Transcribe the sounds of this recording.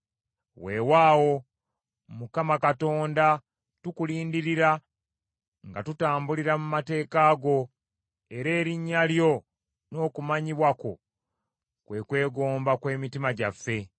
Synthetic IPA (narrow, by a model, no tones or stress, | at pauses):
we̞ːwaːwo̞ | mukamakato̞ːnda | tukuliːndiɾiɾa | ŋɡa̰tutaːmbuliɾamumate̞ːkaːɡo̞ | e̞ɾe̞ːɾiɲːaljo̞ | no̞ːkumaɲiβwako̞̰ | kwe̞kwe̞ːɡo̞ːmbakwe̞ːmitimaɟafːe̞